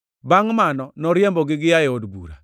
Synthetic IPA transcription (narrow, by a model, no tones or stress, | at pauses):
baŋmanɔnɔɾjɛmbɔɡɪɡɪjajɛodbṵɾa̰